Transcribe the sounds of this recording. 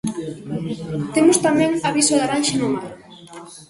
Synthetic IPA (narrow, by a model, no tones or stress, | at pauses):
t̪emost̪amẽŋaβisoðaɾanʃenomal